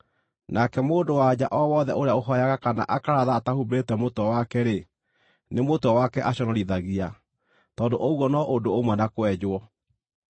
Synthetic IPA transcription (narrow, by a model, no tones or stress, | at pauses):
nʔakɛmoːdowad͡ʑaʔɔwɔðɛʔoɾeaoɦɔjaɣakana̰ʔakaɾaðaːtahubetɛmotɔwakɛɾe | nemotɔwakɛʔaɕɔnɔɾiðaɣia | tɔːdoʔouwɔnɔʔodoomwɛnakoɛd͡ʑwɔ